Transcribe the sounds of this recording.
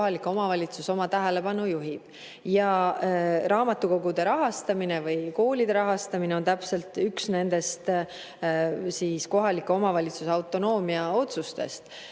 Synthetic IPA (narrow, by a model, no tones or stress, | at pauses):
ɦɑliko̞mɑvɑlʲit̪suso̞mɑt̪æɦele̞pɑnujuɦib̥ | jɑ | ɾɑːmɑt̪ːˑuko̞ɡud̪̥e̞ɾɑɦɑst̪ɑmine̞vɯjko̞ːlid̪̥e̞ɾɑɦɑst̪ɑmineo̞nt̪æpse̞lt̪yksne̞nd̪̥e̞st̪ | siːsko̞ɦɑlikːˑo̞mɑvɑlʲit̪suseɑwt̪ˑo̞no̞ːmiɑo̞t̪sust̪e̞̰st̪